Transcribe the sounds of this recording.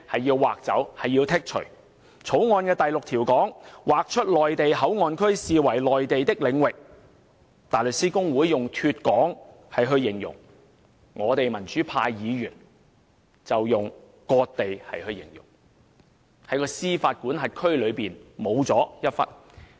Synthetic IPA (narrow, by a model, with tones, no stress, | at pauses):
hɐ˨jːiː˧wwaː˨˩k̚t͡sɐ̰˨˥whɐ˨jːiː˧wt̪ʰɪ˥k̚t͡ʃʰɵ̰˨˩ɥ | t͡sʰo˨˥wŋɔː˧nkɛː˧t̪ɐ˨jlʊ˨k̚t̪ʰiː˨˩wkɔː˨˥ŋwaː˨k̚t͡ʃʰɵ˥t̚lɔː˨jt̪e˨jɦɐ˨˥wŋɔː˨˧nkʰɵ˥ɥsiː˨wɐ˨˩jlɔː˨jt̪e˨jt̪ɪ˥k̚lɪ˨˧ŋwɪ˨k̚ | t̪aː˨˩jlɵ˨ksiː˥kʊ˥ŋwuː˨˥jːʊ˨ŋt̪ʰyː˧t̚kɔː˨˥ŋ | hɐ˨jɦɵ˧ɥjɪ˨˩ŋjʊ̰˨˩ŋ | ŋɔː˨˧t̪e˨jmɐ˨˩nt͡ʃyː˨˥pʰaː˧jːiː˨˧jyː˨˩n | t͡sɐ˨wjʊ˨ŋ | kɔː˧k̚t̪e˨jhɐ˨jhɵ˧ɥjɪ̰˨˩ŋjʊ̰˨˩ŋ | hɐ˨˥jkɔː˧siː˥faː˧t̚kuː˨˥nɦɐ˨t̚kʰɵ˥ɥlɵ˨˧ɥpiː˨nmo˨˧wt͡sɔː˨˥jɐ˥t̚fɐ̰˥t̚